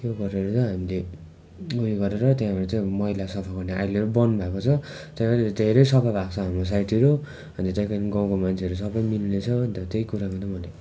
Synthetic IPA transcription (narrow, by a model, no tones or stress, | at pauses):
t̪joɡʌɾeʌɾut͡sʌ̃ɦamile | ɡuiɡʌɾeɾʌt̪jãɦʌɾut͡saĩmʌɦilasʌpʰaɡʌrneʔa̰jleɾubʌnbʱakot͡sʰʌ | t̪jãaɾd̪ʱeɾʌjsʌpʰabʱakt͡sʰʌɦamɾos̬ajʈiɾo | ʌnt̪ʌt̪ajkaniɡãw̃komant͡sʰeʌɾusʌbʌjmilnet͡sʰʌnt̪ʌt̪ejkuɾakʌ̃t̪ʌmʌle